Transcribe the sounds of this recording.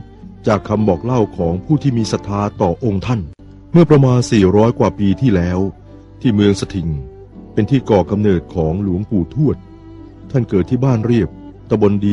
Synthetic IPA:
t͡ɕaː˨˩kʰːa˧mbɔː˨˩k̚la˥˩wkʰɔː˩˦ŋpʰuː˥˩t̪ʰiː˥˩miː˧sa˨˩t̪ʰːaː˧˥t̪ɔː˨˩ʔo˧ŋt̪ʰa˥˩n | mɯ˥˩ɐpɾa˧maː˧nsiː˨˩ɾɔː˦˥jkwaː˨˩piː˧t̪ʰiː˥˩lɛː˦˥w | t̪ʰiː˥˩mɯ˧əŋsa˧t̪ʰi˨˩ŋ | pe˧nt̪ʰiː˥˩kɔː˨˩ka˧mnɤː˨˩t̪̚kʰɔː˩˦ŋlu˨˩˦ŋpuː˨˩t̪ʰu˥˩ət̪̚ʰː | a˥˩nkɤː˨˩t̪ʰːiː˥˩baː˥˩nɾi˥˩əp̚t̪a˧bo˧ndiː˧

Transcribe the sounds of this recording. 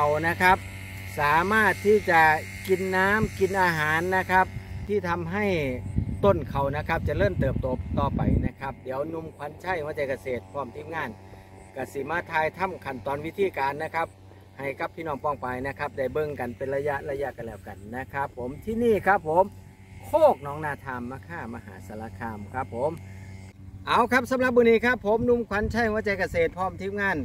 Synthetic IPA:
a˨wna˦˧˥kʰa˦˧˥p̚ | saː˨˦maː˧˥˩t̪ʰːiː˧˩t͡ɕa˧ | ki˨˩nːaː˧˥˨mki˨nʔaː˧ɦaː˨˦nːa˧˥kʰa˧˦˥p̚t̪ʰiː˧˥˩t̪ʰa˧˦mɦa˧˩jt̪o˧˥˨nkʰa˨˩wna˧˥kʰa˦˧p̚t͡ɕa˧˨lɤː˧˥˩mt̪ɤː˨˩p̚t̪o˨˦pt̪ɔː˧˩pa̰˨˩jna˧˥kʰa˧˦˥p̚di˨˦əwnu˧˥˨mkʰwa˧˥˦nt͡ɕʰa˧˥˩jma˧˩t͡ɕa˧jka˧˩seː˨˩t̪̚pʰɔː˧˩˨mt̪ʰiː˧˥˨mŋaː˧˥˩n | ka˧˩si˧˦maː˧˥˨t̪ʰaː˧jt̪ʰa˧˥˨mkʰa˨˩nt̪ɔː˨˦nwi˧˥t̪ʰiː˧˨kaː˨nːa˧˥kʰa˧˦˥p̚ | ha˨˩jka˧˦p̚t̪ʰiː˧˩nɔː˧˩ŋpɔː˧˩ŋpa˨˩jna˧˥kʰa˦˧˥p̚da˧˩jbɤ˧˨ŋka˨npe˨nla˧ja˧˥ʔla˧ja˧ʔka˨nlɛː˧˩wka˨˩nːa˧˥kʰa˦˥p̚ʰːo˨˦mt̪ʰiː˧niː˧˩kʰa˦˥pʰːo˨˦m | kʰoː˥˩k̚nɔː˧˥ŋnaː˧˩t̪ʰaː˧mːaː˧kʰaː˧˥˩ma˧ɦa̰ː˨˦sa˨˧˦la˧kʰaː˧mkʰa˦˧˥pʰːo˨˦m | ʔa˨˦wkʰa˦˥p̚sa˨˦mla˧p̚mɯː˧niː˧˩˨kʰa˦˧˥pʰːo˨˦mnu˧˥˨mkʰwa˧˦˥nt͡ɕʰa˧˥˩jhwaː˧˥˦t͡ɕa˧˩jka˧seː˨˩t̪̚pʰɔː˧˥˩mt̪ʰiː˦˧˥p̚ŋaː˧˥˩n

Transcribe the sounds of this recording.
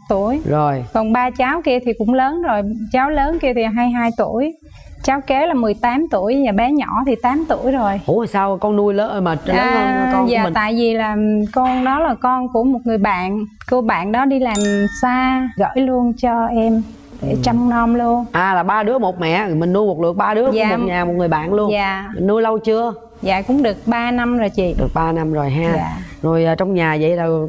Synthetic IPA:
t̪u˧˩əjzo˨˩jkɔ˨˩nɓaː˧t͡ɕaː˨˦wki˧ət̪ʰi˨˩kʊ̰˧˥ŋ͡mləː˨˦nzo˨˩jt͡ɕaː˨˦wləː˨˦nki˧ət̪ʰi˨˩ɦaː˧jɦaː˧jt̪u˧˩əj | t͡ɕaː˨˦wke˨˦laː˨˩mɨ˨˩əjt̪aː˨˦mt̪u˧˩əjɲaː˨˩ɓɛ˨˦ɲɔ̰˧˩t̪ʰi˨˩t̪aː˨˦mt̪ṵ˧˩əjzo˨˩jʔu˧˩˦jsaː˧wkɔ˧nnu˧əjləː˨˦˧maː˨˩t͡ɕəː˦˨˧zaː˧˨t̪a̰ː˧˨jvi˨˩laː˨˩kɔ˧nɗɔ˨˦laː˨˩kɔ˧nku˧˩əmo˨˩t̚ŋɨ˨˩əjɓa̰ː˧˨n | ko˧ɓa̰ː˧˨nɗɔ˨˦ɗi˧laː˨˩msaː˧ɣə̰ː˧˥˨jlu˧ənt͡ɕɔ˧ʔɛ˧m | ɗe˧˩t͡ɕɔ˧wŋ͡mnɔ˧mlu˧ənʔaː˨˩laː˨˩ɓaː˧ɗɨ˨˦əmo˨˩t̚mɛ̰˧˨mï˨˩ŋnu˧jmo˨˩t̚lɨ̰˧˨ək̚ɓaː˧ɗɨ˨˦əjaː˨mo˨t̚ɲaː˨˩mo˨˩t̚ŋɨ˨˩əjɓa̰ː˧˨nlu˧əɲaː˨mi˨˩ŋnu˧jlə˧wt͡ɕɨ˧ə | ja̰ː˨kʊ̰˧˥ŋ͡mɗɨ˨˩ək̚ɓaː˧na˧mzo˨˩jt͡ɕḭ˧˨ɗɨ˨˩ək̚ɓaː˧na˧mzo˨˩jɦaː˧a̰ː˧˨zo˨˩jʔəː˨˩t͡ɕɔ˧wŋ͡mɲaː˨˩və̰˧˨jlaː˨˩

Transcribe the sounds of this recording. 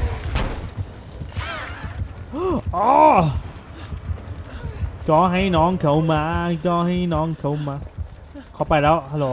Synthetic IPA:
ʔɔː˨˦ | kɔː˨˥˦ɦa˧˥˩jnɔ˨˥nkʰə˨˦wmaː˨˧˦kɔ˧˥ha˧˥jnɔ˨˧˥nkʰə˨˦wmaː˨˧˦ | kʰɔ˨˧˦pa˨˧˩jɗa˨˧˦wa˧˥lo˨˦

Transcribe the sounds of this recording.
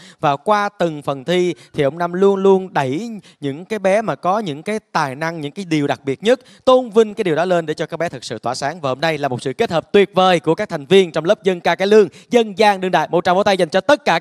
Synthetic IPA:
vaː˨˩kwaː˧t̪ɨ˨˩ŋfə˨˩nt̪ʰi˧t̪ʰi˨˩ʔə˧wŋ͡mna˧mlu˧ənlu˧ənɗə˧˩j | ɲɨ̰˧˥ŋkaː˨˦jɓɛ˨˦maː˨˩kɔ˨˦ɲɨ̰˧˥ŋkaː˨˦jt̪aː˨˩jna˧ŋɲɨ̰˧˥ŋkaː˨˦jɗi˨˩əwɗa˨˩k̚ɓi˨˩ət̚ɲə˦˥t̚ | t̪o˧nvï˧ŋ̟kaː˨˦jɗi˨˩əwɗɔ˨˦le˧nɗe˧˩t͡ɕɔ˧kaː˦˥k̚ɓɛ˨˦t̪ʰɨ˨˩k̚sɨ̰˧˨t̪waː˧˩saː˨˦ŋvaː˨˩ho˧mna˧jlaː˨˩mo˨˩t̚sɨ̰˧˨ke˦˥t̚həː˨˩p̚t̪wi˨˩ət̚vəː˨˩jku˧˩kaː˦˥k̚t̪ʰjŋ̟vi˧ənt͡ɕɔ˧wŋ͡mləː˦˥p̚zə˧nkaː˧kaː˨˦jlɨ˧əŋzə˧nzaː˧ŋɗɨ˧ŋɗa̰ː˧˨jmo̰˨˩t̚t͡ɕa˧˩mo̰˧˦t̪a˧jza˨˩ŋt͡ɕɔ˧t̪ə˦˥t̚kaː˧˩

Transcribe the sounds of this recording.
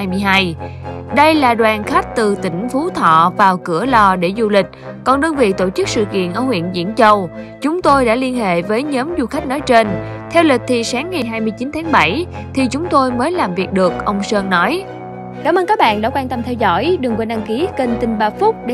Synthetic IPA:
a˧jmɨ˧əjɦaː˧j | ɗə˧jlaː˨˩ɗwaː˨˩nxa˦˥k̚t̪ɨ˨˩t̪ï˧˩ŋ̟fu˨˦t̪ʰɔ̰˧˨vaː˨˩wkɨ˧˩əlɔ˧ɗe˧˩zu˧lï˨˩k̟̚ | kɔ˨˩nɗɨ˧əŋvḭ˧˨t̪o˧˩t͡ɕɨ˦˥k̚sɨ̰˧˨kḭ˧˨ənʔə̰ː˧˩hwḭ˧˨ənzḭ˧˥ənt͡ɕə˧wt͡ɕʊ˨˦ŋ͡mt̪o˧jɗa̰ː˧˥li˧ənɦḛ˧˨vəː˨˦jɲəː˨˦mzu˧xa˦˥jk̚nɔ˨˦jt͡ɕe˧n | t̪ʰɛ˧wlï˨˩k̟̚t̪ʰi˨˩saː˨˦ŋːa˨˩jɦaː˧jmɨ˧jt͡ɕi˨˦nt̪ʰaː˨˦ŋɓə˧˩j | t̪ʰi˨˩t͡ɕʊ˨˦ŋ͡mt̪o˧jməː˨˦jlaː˨˩mvi˨˩ək̚ɗɨ˨˩ək̚ʔə˧wŋ͡msəː˧nnɔ˨˦j | kaː˨˩˦mʔəː˧nkaː˦˥k̚ɓa̰ː˧˨nɗa̰ː˧˥kwaː˧nt̪ə˧mt̪ʰɛ˧wzɔ̰˧˥jɗɨ˨˩əŋkwe˧nɗa˧ŋki˨˦kə˧nt̪ï˧˩ŋɓaː˧˩fʊ˦˥k͡p̚ɗe˧

